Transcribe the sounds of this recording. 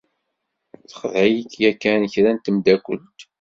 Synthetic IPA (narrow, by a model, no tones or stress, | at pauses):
θə̥χðæjikjækːænəçɾænt̪əmd̪ækʷːə̰lt̪